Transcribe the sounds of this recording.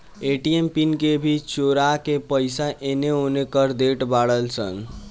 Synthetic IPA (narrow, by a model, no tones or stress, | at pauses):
eʈiempinkebʱit͡ʃoɾakepəɪsaʔeneonekəɾd̪eʈbaɽəlsə̰n